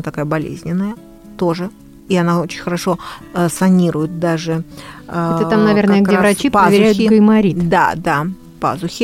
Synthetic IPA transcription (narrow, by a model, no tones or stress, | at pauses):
t̪ɐkajəbɐlʲḛzʲnʲɪnːəjə | t̪o̞ʐɨ | iɐnao̞t͡ɕɪ̥nʲxəɾɐʂo̞sɐnʲiɾʊjɪt̪̚d̪aʐɨ | t̪ɨt̪amnɐvʲernəjəɡevɾɐt͡ɕippavʲɪɾæjʊɪkəmɐɾʲid̪a̰d̪a | pa̰zʊxʲɪ